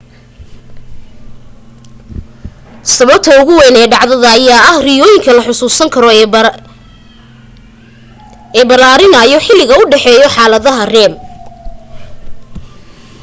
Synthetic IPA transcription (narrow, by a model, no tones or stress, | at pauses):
sɐβɐb̚t̪ʰɐʊɣʊwɛnɛːɖɑʕðɐðɐːjaːɐhrɪjɔːjɪŋkʰɐlɐħʊsuːsɐŋkʰɐɾɔ | ɛːbɐlaːɾɪnɐjɔħɪlːɪɣɐʊɖɛħɛːjɔħɑːlɐðɐɦɐrɛːm